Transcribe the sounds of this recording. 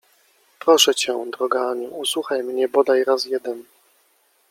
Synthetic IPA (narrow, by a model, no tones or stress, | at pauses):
pɾɔʂɛt͡ɕɛd̪ɾɔɡaɲiuswuxajmɲɛbɔd̪ajɾasjɛd̪ɛn